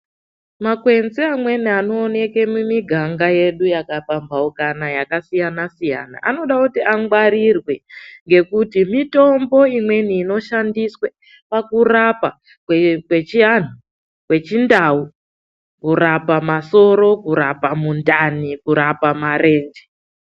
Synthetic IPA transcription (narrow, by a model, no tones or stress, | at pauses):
makwe̞nziamwe̞niano̞ːne̞kemumiɡʱaŋɡaje̞ɗujakapambaukanajakasijanasija̰na̰ʔano̞ɗakutiʔaŋɡwaɾirwe̞ŋɡe̞kutimito̞mbo̞imwe̞niːno̞ʃandiswe | pakurapa | kwekwe̞t͡ʃian̤u | kwe̞t͡ʃindau | kuɾapamaso̞ɾo̞kuɾapamundanikuɾapamaɾe̞ːnd͡ʒe